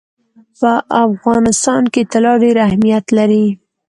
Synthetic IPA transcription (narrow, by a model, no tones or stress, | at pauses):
pəʔafɣɑnɪst̪ɑnket̪alɑɖeɾahmijat̪laɾi